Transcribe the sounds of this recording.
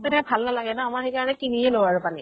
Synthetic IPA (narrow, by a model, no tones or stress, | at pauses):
tʊdɛ̃bʱalnalaɡɛnaamaɹhejkaɹɔnɛkinijɛlowaɹʊpani